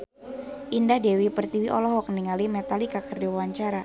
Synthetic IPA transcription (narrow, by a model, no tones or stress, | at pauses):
ʔindahdewipərt̪iwiʔɔlɔɦɔk̚niŋalimɛt̪alikakərdɛwwaɲt͡ʃaɾa